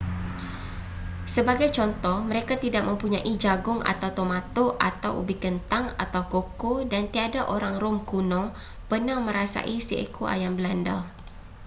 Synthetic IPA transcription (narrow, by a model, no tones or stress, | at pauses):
səbaɡajt͡ʃɔnt̪ɔhməɾekat̪idak̚məmpuɲaʔid͡ʒaɡʊŋa̰t̪awt̪omat̪oʔat̪awʔṵbikənt̪aŋa̰t̪awkokodant̪iadaʔoɾaŋrʊmkunɔ̃ | pənahmə̃ɾasa̰ʔisiḛkʰuʔa̰jambəlandal